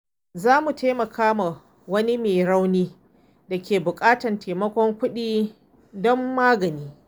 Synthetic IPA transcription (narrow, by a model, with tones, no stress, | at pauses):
zaː˦mu˨teː˦mɐ˨kʰaː˦ma˨ | wɐ˦ni˦meː˨ɽa˦wniː˦ | dɐ˨kʲeː˨bʊ˨kʼaː˦tɐ˨ntʰeː˨mɐ˦kʷɔ˦ŋkʷʊ˦ɗiː˦ | dɔ˦mːaː˦ɡɐ˨niː˦